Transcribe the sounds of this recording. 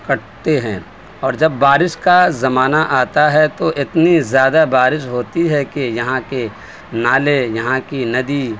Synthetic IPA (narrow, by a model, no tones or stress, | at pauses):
kɐʈt̪eɦɛ̃ | ɔːɾd͡ʒɐbːaːɾɪʃkazɐmaːnaʔaːt̪aɦɛt̪oʔɪt̪nizjaːd̪abaːɾɪʃɦoːt̪iɦɛkejɐɦãke | naːlejɐɦãkinɐd̪i